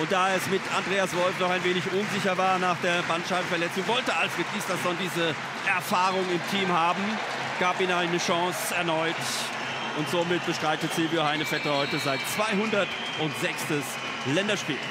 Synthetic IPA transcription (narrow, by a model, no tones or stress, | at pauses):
ʔʊnt̚d̥aːɛsmɪtandʁeːasv̥ɔlfnɔχaɪnveːnɪçʔʊnzɪçɐvaːɐnaːχd̥eːɐbantʃaɪbm̩fɛɐlɛt͡sʊŋvɔltəʔalfʁ̥et̚iːsd̥asd̥ɔndiːzə | ʔɛɐfaːʁʊŋɪmtʰiːmhaːbm̩ | ɡ̥aːpiːnaɪnəʃɑ̃ŋsɛɐnɔʏt | ʔʊntz̥oːmɪt̚b̥əʃtʁ̥aɪtət͡sɪlvjohaɪnəfɛtəhɔʏtəzaɪtt͡sv̥aɪɦʊndɐt | ʔʊntz̥ɛkstəs | lɛndɐʃpḭːl